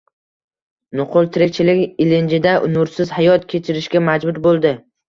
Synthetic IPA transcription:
nʊqʰʊlˠt̪ʰɪɾek̚ʲt͡ʃʰɪlɪkʲɪlɪnd͡ʒɪd̪aʔʊnʊɾsɪzhajɒt̪kʲʰe̞t͡ʃʰɪɾɪʃkʲamad͡ʒbʊɾbolˠd̪ɪ

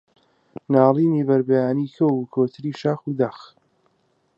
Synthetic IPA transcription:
naːlˠiːniːbɐɾbɛjaːnikʰɐwkʰoːt̪ʰɨɾiːʃaːxuːd̪ax

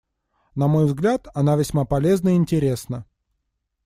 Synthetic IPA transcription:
nɐmo̞jvzɡlʲat̪ɐnavʲɪsʲmapɐlʲe̞znəɪɪnʲtʲɪɾʲe̞snə

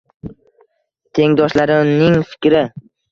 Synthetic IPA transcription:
t̪ʰe̞ŋd̪ɒʃlaɾɪnɪŋfɪ̥kʲɾɪ

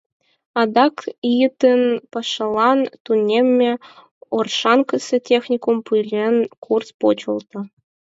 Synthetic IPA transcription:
ɑd̪ɑkjɯt̪ɘ̆npɑʂɤ̆lˠɑnt̪unʲemʲːe | orʂɑnkɤ̆sʲĕtʲexnʲikumpujlʲenkʰurspot͡ɕɤ̆lˠt̪ɤ̆

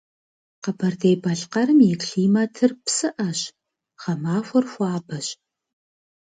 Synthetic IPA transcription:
qɐbɐrdejbɐɬqɐɾɨmjɪkʰɬiːmatʰɨrpsɨʔɐɕ | χɐmaːxʷɔrxʷɑːbɐɕ

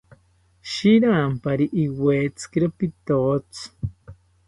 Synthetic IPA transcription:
ʃiɾaːmpaɾiʔiweːt͡sɨ̥kiɾopit̪oːt͡s

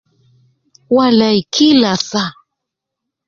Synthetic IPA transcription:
walajkʰɪlasa

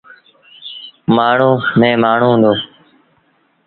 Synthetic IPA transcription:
maːɳ̤ũːmẽːmaːɳ̤ũːɦːnd̪oː

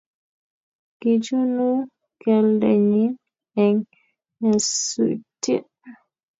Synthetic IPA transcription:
ɡ̥id͡ʒunu | kɛldɛ̰ɲin | ɛŋ | ɛsṵti

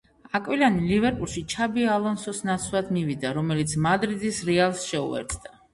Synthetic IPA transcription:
akʼwilanilivɛɾpʼulˠʃit͡ʃʰabialˠɔnsɔsnat̪sʰvlˠad̪mivid̪aɾɔmɛlit̪sʰmad̪ɾid̪isɾialˠsʃɛṵɛ̰ɾt̪sʰʼd̪a

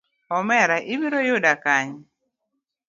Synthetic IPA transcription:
ɔmɛɾaʔibiɾojodakaɲ

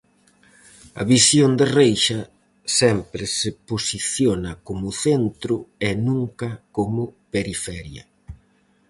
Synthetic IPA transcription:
ɐ̰βisjond̪ɪrejʃɐ | sɛmpɾɪseposiθjonɐkomʊθent̪ɾʊɛnũŋkɐkomʊpeɾifɛɾjɐ̰

